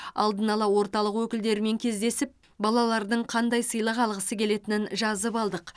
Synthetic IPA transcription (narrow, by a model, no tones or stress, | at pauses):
ɑ̰lˠd̪ənɑlˠɑwo̞ɾt̪ɑlˠəqwɵkʲɪld̪e̞ɾɪme̞ŋkʲʰe̞zd̪e̞sɪp̚ | bɑlˠɑlˠɑɾd̪əɴqʰɑnd̪ɑjsəjlˠəqɑlˠʁəsəkʲʰe̞le̞t̪ɪnɪnʒɑzəpɑlˠd̪əq